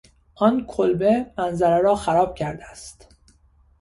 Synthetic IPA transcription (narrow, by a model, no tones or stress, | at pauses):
ʔɒːnkʰolbe̞mænzæɾeɾɒːxæɾɒːb̥̚cʰæɾd̪eæst̪